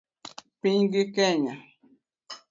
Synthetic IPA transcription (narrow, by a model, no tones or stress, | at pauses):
piŋɡikeɲa